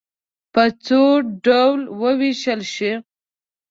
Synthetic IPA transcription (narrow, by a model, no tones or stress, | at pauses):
pət͡soɖawlwəwiʃəlʃi